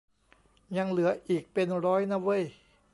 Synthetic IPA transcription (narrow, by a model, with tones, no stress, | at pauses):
ja˧ŋlɯ˩˦ɐʔiː˨˩k̚pe˧nɾɔː˦˥jna˦˥wə˦˥˨j